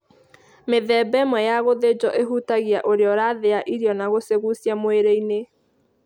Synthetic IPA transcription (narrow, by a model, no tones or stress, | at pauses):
meðɛbɛmwɛjaɣoðed͡ʑɔʔeɦutaɣiaʔoɾeɔɾaːðeaʔiɾiɔnaɣoseɣusjamoeɾeine